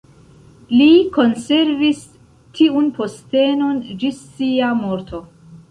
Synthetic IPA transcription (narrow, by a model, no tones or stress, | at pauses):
liko̞nse̞ɾvis | tʰiunpʰo̞ste̞no̞nd͡ʒisːiamoɾtʰo̞